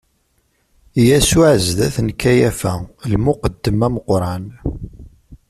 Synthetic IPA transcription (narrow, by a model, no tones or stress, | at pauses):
jæsuʕəzðæθənkːæjæfælmʊqəd̪ːəmæməqɾˤɑn